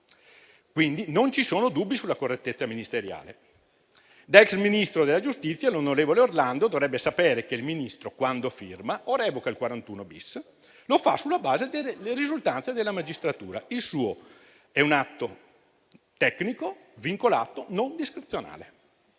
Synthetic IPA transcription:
kwind̪inont͡ʃisoːnod̪ubːisulːakorːet̪ːet̪sːaminist̪eɾja̰ːlḛ | d̪ɛksminist̪ɾod̪elːad͡ʒust̪it̪sːjalonoɾeːvoleorland̪od̪ovɾɛbːesapeːɾekeilminist̪ɾokwand̪ofirmaʔoɾɛːvokailkwaɾant̪uːnobis | lofa̰sulːabaːzed̪elːeɾizult̪ansed̪elːamad͡ʒist̪ɾat̪uːɾailsuːo | ɛunat̪ːo | t̪ɛknikoviŋkolaːt̪onond̪iskɾit̪sjona̰ːle

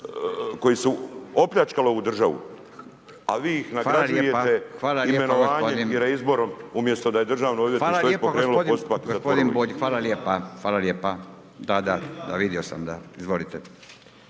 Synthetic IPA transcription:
ko̞jisuopʎat͡ʃkalˠoud̪r̩ʒaʋṵ | a̰ʋiːixnafaːaaljejeat̪exʋaːlaliemenooaːɲpoed̪iniɾeizbo̞ɾomumjest̪od̪aje̞d̪r̩ʒaːʋnoobʋjetfaːlaloepooɡkɾesnulood̪ost̪u̥pakɡosat̪pod̪inboːʎxʋaːlaljeːpaxʋaːlaljeːpa | d̪ad̪ad̪aʋid̪jo̞sa̰md̪aizʋo̞lit̪e

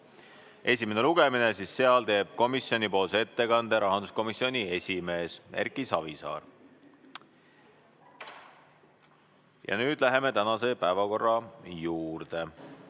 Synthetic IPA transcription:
ʔe̞s̬ʲime̞ne̞luɡ̥e̞mine̞siːsːe̞ɑlt̪e̞ːb̥̚ko̞misio̞nipo̞ːlsee̞t̪ːe̞kɑnd̪̥e̞ɾʔɑɦɑnd̪̥usko̞misio̞nʲie̞sʲime̞ːse̞̰rkisɑvisɑ̰ːr | jɑ̰nyːd̪̥læɦe̞me̞t̪ænɑse̞pæevɑko̞rːɑjuːɾdt̪e

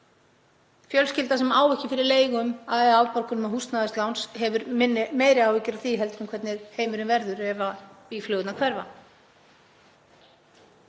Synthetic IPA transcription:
fjœlscɪlt̪asɛmaːwvɛhcɪfɪɾɪɾleːjɣʏmaðɛðaːwpaɾkʏnmahust̪naðɪst̪lawnshɛvʏɾɪnmeːjɾɪawvɪcɪɾawθiːɦɛlt̪ɾʏmkʰvɛɾt̪nɪɾ̥heːjmʏɾɪmvɛɾðʏɾɛvaiflœːðʏt̪nakʰvɛɾva

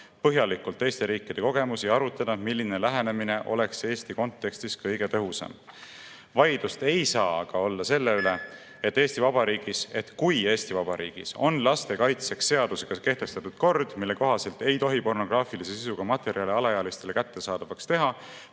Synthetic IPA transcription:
pɤɦjɑlikːult̪ˑːe̞ːst̪e̞ɾiːkːˑid̪̥e̞ko̞ɡ̥e̞musiɑɾut̪ːˑɑd̪̥ɑmilːine̞læɦe̞ne̞mine̞ʔo̞̰le̞kse̞ːst̪iko̞nt̪ːe̞kst̪iskɤjɡ̥e̞t̪ɤ̞ɦusɑ̰m | vɑjd̪̥ust̪e̞jsɑːɑɡ̥ɑo̞lːɑse̞lːeyle̞ | e̞t̪ˑːeːst̪ivɑb̥ɑɾiːɡ̥ise̞t̪kuje̞ːst̪ivɑbɑɾḭːɡ̥ḭso̞̰nlɑst̪e̞kɑjt̪se̞ksːe̞ɑd̪̥use̞ɡ̥ɑke̞ht̪e̞st̪ɑt̪ut̪ko̞rd̪̥milːe̞ko̞ɦɑse̞lt̪e̞jt̪o̞ɦipo̞rno̞ɡ̥rɑːfilise̞sisuɡ̥ɑmɑt̪ːˑe̞ɾiɑliɑlɑjɑlist̪e̞le̞kæt̪ːe̞sɑːd̪ɑvɑkst̪e̞ɦɑ

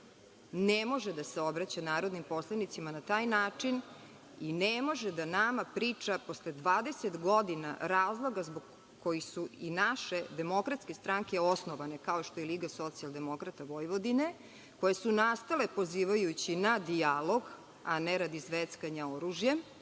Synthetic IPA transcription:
nemo̞ʒed̪aseo̞bɾat͡ɕanaːɾo̞d̪nimpo̞slˠanit̪simanat̪aːjnaːt͡ʂin | inemo̞ʒed̪anamapɾiːt͡ʂaposled̪ʋaːd̪e̞set̪ɡo̞d̪ina̰ɾaːzlˠo̞ɡazboɡ | kojisuinaʃed̪e̞mo̞kɾat̪ske̞st̪ɾaŋke̞osnoʋane̞kaoiʃt̪o̞jeliːɡaso̞t̪sialˠd̪e̞mo̞kɾat̪aʋo̞jʋo̞d̪ine | ko̞jesunast̪ale̞po̞ziːʋajut͡ɕinad̪ialo̞ɡ | aneɾad̪izʋet̪skaɲaoɾuʒjem

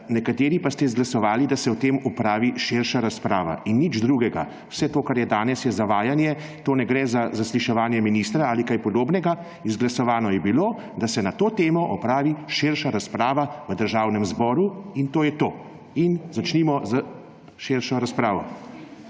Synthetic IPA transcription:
nɛkat̪eːɾipast̪ɛzɡlasɔʋaːlid̪asɛɔt̪emɔpɾaːʋiʃeɾʃaɾaspɾaːʋa̰ʔinːid͡ʒd̪ɾuːɡɛɡa | wsɛt̪oːkaɾjɛd̪aːnɛsjɛzaʋaːjanjɛ | t̪oːnɛɡɾɛːzazasliʃɛʋaːnjɛminiːst̪ɾaaːlikajpɔd̪oːbnɛɡa | izɡlasɔʋaːnɔjɛbiloː | d̪asɛnat̪oːt̪eːmɔʔɔpɾaːʋiʃeɾʃaɾaspɾaːʋaʋəd̪əɾʒaːwnɛmzbɔːɾuint̪oːjɛt̪oː | inzat͡ʃniːmɔza | ʃeɾʃɔɾaspɾaːʋɔ

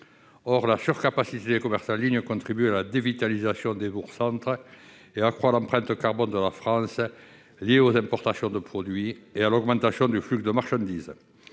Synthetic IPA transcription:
ɔʁlasyʁkapasit̪ed̪ekɔmɛʁsɑ̃liɲəkɔ̃nt̪χibyalad̪evit̪alizasjɔ̃d̪ebuʁsɑ̃nt̪χə | eakχwalɑ̃mpχɛ̃nt̪əkaʁbɔ̃nd̪əlafχɑ̃sə | lieozɛ̃mpɔʁt̪asjɔ̃d̪əpχɔd̪ɥiealɔɡmɑ̃t̪asjɔ̃d̪yflyɡd̪əmaʁʃɑ̃nd̪iz

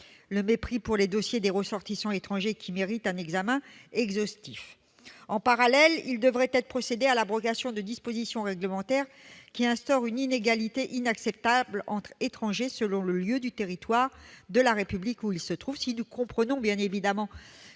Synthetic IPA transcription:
ləmepχipuʁled̪osjed̪eʁəsɔʁt̪isɑ̃et̪χɑ̃ʒekʲimeʁit̪ɛ̃nɛɡzamɛ̃ɛɡzɔst̪if | ɑ̃paʁalɛlḭld̪əvʁɛt̪ɛt̪χəpχɔsed̪ealabʁɔkasjɔ̃d̪əd̪ispozisjɔ̃ʁɛɡləmɑ̃t̪ɛʁkʲiɛ̃st̪ɔʁynineɡalit̪eʔinaksɛp̚t̪ablɑ̃t̪χet̪χɑ̃ʒesəlɔ̃ləljød̪yt̪eʁit̪waʁd̪əlaʁepyblikuilsət̪χuv̥sinukɔ̃pχənɔ̃bjɛ̃nevid̪amɑ̃

